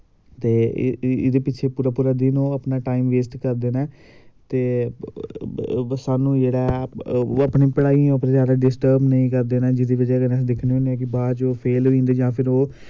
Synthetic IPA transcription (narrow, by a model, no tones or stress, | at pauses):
t̪eːɪd̪eːpɪːt͡ʃʰeːpuːɾaːpuːɾaːd̪ɪnõːəpnaːʈaːiːmʋeːsʈkəɾd̪eːnaː | t̪eː | saːnũːd͡ʒeːɽaː | əpniːpəɽaːiõːəpnẽːzjaːd̪aːɖɪsʈəɾbnəĩːkəɾd̪eːnãːd͡ʒɪd̪iːʋəd͡ʒɛːkənəsĩd̪ɪkʰneːɦõnd̪eɛːkɪbaːt͡ʃoːpʰeːlɦoĩːnd̪eːd͡ʒãːpʰɪɾoː